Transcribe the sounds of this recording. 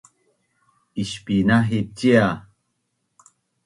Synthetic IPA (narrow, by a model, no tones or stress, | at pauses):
iɕpinaɦit͡ɕia